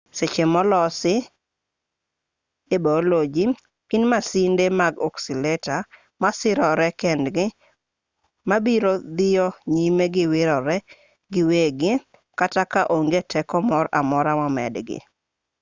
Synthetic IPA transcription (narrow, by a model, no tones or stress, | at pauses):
set͡ʃemɔlɔsɪ | ebɔlod͡ʒi | kinmasindemaɡɔksilɛta | masɪɾɔɾɛkendɡɪ | mabiɾod̪ɪjɔɲimeɡɪwɪɾɔɾɛ | ɡɪweɡɪ | katakaʔoŋɡetʰɛkɔmɔɾa̰mɔɾamɔmɛ̰dɡɪ̰